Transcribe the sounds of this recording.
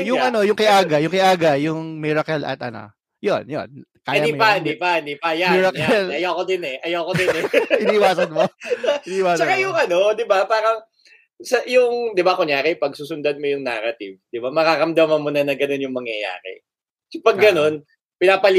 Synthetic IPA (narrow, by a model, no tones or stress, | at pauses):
jʊʔɐno̞jʊŋkɪʔaːɡɐjʊŋkɪʔaːɡɐjʊŋmiɾɐkɛlʔɐ̰t̪̚ʔɐno̰ | jonjo̰nkaːjaimpɐd̪iːpɐnd̪iːpɐjamiɾɐkɛlʔɐjakod̪ɪnɛʔɐjawkod̪ɪnɛɪniɪwaːsɐnmoɪnːɪwaːst͡ʃajʊŋʔɐno̞d̪ɪbapaːɾɐŋ | sɐjʊŋd̪ɪbakʊŋjaːɾɛpɐɡ̚suːsʊnd̪ad̪̚mojʊŋna̰ːɾɐt̪ḭvd̪̥ɪbamɐkaɾɐmd̪ɐmɐnmʊnɐnɐɡɐno̞njʊŋmɐŋjɐja̰ːɾɛ̰ | pɐɡːɐno̞n | pɪnaːpɐl